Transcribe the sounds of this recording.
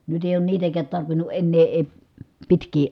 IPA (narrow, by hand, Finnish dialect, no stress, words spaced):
nyt eˑi oːn niːtækæːt tɑrʋinu ʔenːeː eː pitkˑiː